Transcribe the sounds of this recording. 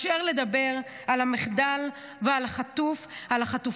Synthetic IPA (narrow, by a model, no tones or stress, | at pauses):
ʃeʁle̞d̪abe̞ʁalamiχd̪al | vealaχat̪ufalaχatuf